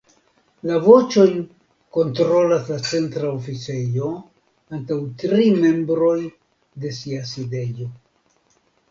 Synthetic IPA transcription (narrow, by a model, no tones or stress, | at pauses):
lavo̞t͡ʃo̞jn | ko̞ntɾo̞laslat͡se̞ntɾaofit͡se̞jo̞ | antawtɾime̞mbɾo̞j | de̞siaside̞jo̞